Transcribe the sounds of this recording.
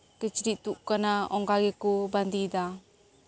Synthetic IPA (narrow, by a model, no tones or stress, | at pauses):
kət͡ʃɾit̪uʔkənaɔŋkaɡekuband̪id̪a